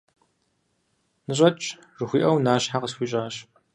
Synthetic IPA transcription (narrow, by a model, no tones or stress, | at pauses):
nɨɕ̬ʼɐt͡ʃʼ | ʐɨxʷiːʔɐwnaːɕħaqəsxʷiɕʼaːɕ